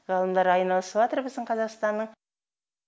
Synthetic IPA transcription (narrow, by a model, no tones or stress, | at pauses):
ʁɑlˠəmd̪ɑɾɑjnɑlˠəsəpʒɑt̪əɾbɪzd̪ɪɴqʰɑzɑqst̪ɑnːəɴ